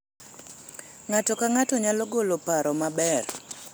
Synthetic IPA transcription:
ŋatɔkaŋatɔɲalɔɡolopaɾɔmabɛr

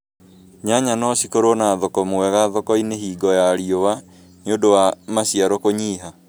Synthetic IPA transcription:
ɲaɲanɔɕikoɾonaːðɔkɔmowɛɣaðɔkɔineɦiːɡɔjaɾiowa | neodowamasiaɾɔkoɲiːɦa

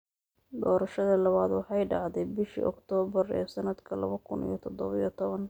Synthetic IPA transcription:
d̪ɔːɾɐʃɐðɐlɐβaːd̪wɑħɑjɖɑʕd̪ɛbɪʃḭʔɔ̰kt̪ʰɔːβɐrɛ̰ːsɐnɐd̪kʰɐlɐ̰βɐkʰʊnḭjɔt̪ʰɔd̪ɔβɐjɔt̪ʰɔβɐn

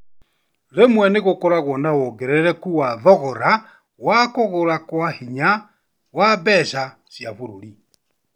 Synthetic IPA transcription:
lemwɛneɣokɔɾaɣwɔndawɔɡɛɾɛɾɛkuwaðɔɣɔɾa | wakoɣoɾakwahiɲa | wabɛʃa | sjaβuɾoɾi

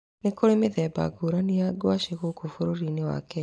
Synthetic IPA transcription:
nekoɾemeðɛːba̰ɡoɾanejaɡwaʃeɣokofoɾoɾinewa̰kɛ

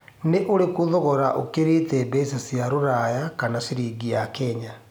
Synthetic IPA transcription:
neʔoɾekuðɔɣɔɾaʔokeɾitɛbesasjaɾoɾajakanasiɾiːɡiakɛɲa

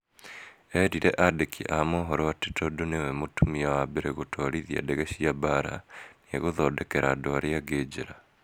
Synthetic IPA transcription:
ɛɾiɾeʔadekʰḭʔamoɦɔɾoatetodonewɛmotumiawabeɾeɣotʰoɾiðia̰deɣeɕiabaɾa̰nieɣoðɔdekeɾadoaɾeaɡed͡ʑeɾa

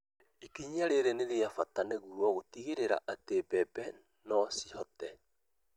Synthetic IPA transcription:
ekiɲiaɾeɾeneɾeafataneɣuɾwɔɣotiɣeɾeɾa̰ʔatebɛbɛ | nɔsihɔtɛ

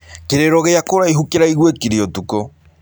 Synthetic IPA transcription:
keɾeɾɔɣeakoɾaiɦukeɾaiɣwekiɾiɔtuko

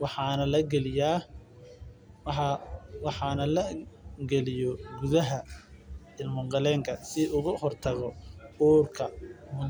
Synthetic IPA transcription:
wɑħɑːnɐlɐɡɛlɪjaː | ɑwɑħɑːnɐlɐɡɛlɪjɔɡʊðɐɦɐ | ɪlmʊŋqɑlɛːŋkʰɐsɪʊɣʊhɔrt̪ʰɐɣɔuːrkʰɐmʊ

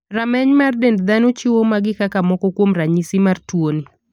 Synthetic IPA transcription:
ramɛɲmardendd̪anot͡ʃɪwomaɡɪkakamɔkɔkwomraɲisimartwoni

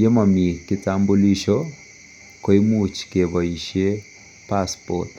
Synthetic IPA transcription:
jemamikitambuliʃɔ | koimut͡ʃkeβɔiʃe | paspɔ̰t

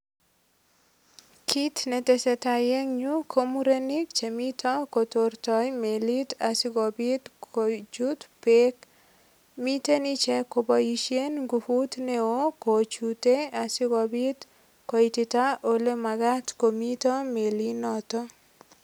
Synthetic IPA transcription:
kʰit̪net̪eset̪ajeŋɲukʰomuɾenikt͡ʃemit̪ʰɔkot̪ort̪ɔjmelit̪asɪɡɔbit̪kot͡ʃut̪pek | mit̪enit͡ʃɛkobɔjiʃenɡufut̪neokot͡ʃut̪easɪɡɔbit̪ | koit̪it̪aʔolemaɡat̪komit̪ɔmelinɔt̪ɔ

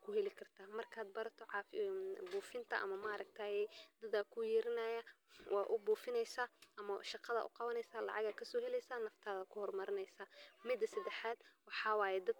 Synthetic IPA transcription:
kʰʊhɛlɪkʰɐrt̪ʰaːmɐrkʰaːd̪̚bɐɾɐt̪ʰɔʕɑːfbuːfɪnt̪ʰɐʔɐ̰mɐmaːɾɐkt̪ʰaːjɛjd̪ɐdaːkʰʊjɛːɾɪnaːjawʔɑːʔʊbuːfɪnɛjsaːʔɐmɐʃɑqɑðɐ̰ʔʊ̰qɑwɐnɛjsaːlɑ̰ʕɑɣaːkʰɐsɔːɦɛlɛjsaːnɐft̪ʰaːðɐkʰʊhɔrmɐɾɪnɛjsaːmɪd̪ɐsɐd̪ɛħaːd̪wɑħɑːwɑːjɛd̪ɐd̪̚

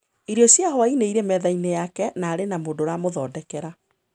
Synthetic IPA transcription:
iɾjɔsjaɦɔwaineiɾɛmɛðainejakɛnaːɾenamoːndoɾaːmoðɔːdɛkɛɾa

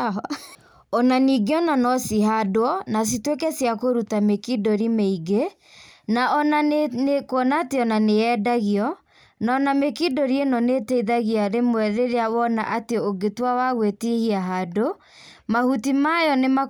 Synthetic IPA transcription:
ɔnaniɡeɔnanɔsiɦadoɔnas̬itwekɛsjakoɾutamekidoɾimeiɡe | naʔɔnankoɔnaːteɔnaneɛdaɣiɔ | naɔnamekidoɾienɔnetɛiðaɣiaɾemwɛɾeɾeawɔna̰ʔateoɡetwawaɣwetihiaɦado | mahutimajɔnema

